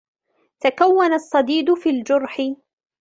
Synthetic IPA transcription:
t̪akawːanasˤːɑd̪iːd̪ʊfiːld͡ʒʊɾˤħɪ

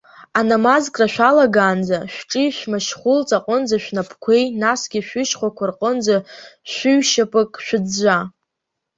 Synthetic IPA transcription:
anamazkʼraʃʷᶣalaɡaːnd͡zaʃᶣʷʈ͡ʂʼiʃʷᶣmaʃχʷʊlt͡sʼaqʷʼənd͡zaʃᶣnapʰkʷʰe̞jnasɡʲiʃᶣʷɪʃχʷakʷʰarqʼənd͡zaʃᶣʷʊɥʃapʼɨkʼʃʷᶣɪd͡zd͡ʒʷa

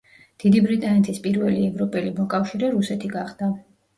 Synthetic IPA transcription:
d̪̥id̪ibɾit̪ʼanɛt̪ʰispʼiɾvɛliɛvɾɔpʼɛlimɔkʼafʃiɾɛɾusɛt̪ʰiɡaχd̪̥a

